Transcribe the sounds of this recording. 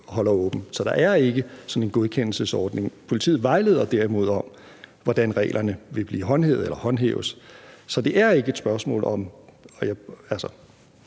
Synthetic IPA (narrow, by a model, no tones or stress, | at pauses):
hɒ̽lɐɔ̽ːb̥n̩sɒ̽d̥ɑ̈ʔæɐe̝ɡ̥əsɒ̽ne̝nɡ̥o̝ð̞ˠkʰen̰l̩səsɒːd̥ne̝ŋpʰo̝lit͡sʰḭːð̩ˠʋɑ̈ɪle̝ːð̞̰ˠɐd̥æɐimo̝ð̞̰ˠɒ̽m | ʋɒd̥ænʁɛ̰ːlʔɐnəʋe̝b̥lḭːɦɒ̽nɦḛːʊð̩ˠelɐhɒ̽nɦḛːʊəssɒ̽d̥e̝ʔæɐe̝ɡ̥əed̥sb̥ɶɐsmɔ̰̽ːlɒ̽mɒ̽jaælsɐ